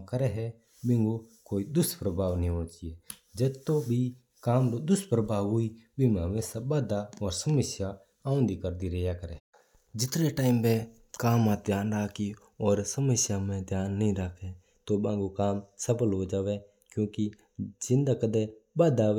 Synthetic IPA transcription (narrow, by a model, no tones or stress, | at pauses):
kəɾɛɦɛ | bɪ̃ŋɡokoːid̪ʊspɾəbʱaːʋnɦĩõːt͡ʃieːd͡ʒɐd̪t̪obʱi | kaːmlod̪ʊspɾəbʱaːʋɦʊibɪmãːmẽsabaːd̪aɔːɾsɐməsja | ãːʊ̃nd̪ikəɾd̪iɾjakəɾeː | d͡ʒɪt̪ɾeʈaːɪmbe | kaːmãd̪ʱjaːnɾaːkʰi | ɔːɾsəməsjamẽd̪ʱjaːnːəɦĩɾaːkʰe | t̪obãːŋɡokaːmsɐpəlɦoːd͡ʒaːʋe | kjõːki | d͡ʒɪ̃nd̪akəd̪ebaːd̪aː